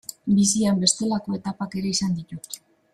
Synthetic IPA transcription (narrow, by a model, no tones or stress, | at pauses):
bisiambe̞st̪e̞lako̞e̞t̪apake̞ɾe̞isand̪it̪ut̪